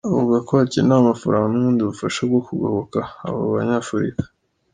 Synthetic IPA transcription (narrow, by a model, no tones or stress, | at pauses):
uβuɡakoacinamafa̰ɾaːŋɡauβuːndiβufaʃab̚ɡo̞kuɡoβokaa̰βoβaɲaːfuɾḭkḁ